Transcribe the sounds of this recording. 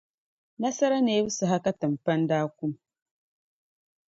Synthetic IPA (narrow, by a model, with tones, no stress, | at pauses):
na˦sa˦ɾa˦ne˨˦wu˦sa˨ɦa˦ka˦ta˨m˨pa˦n˦daː˦kʷu˦m˨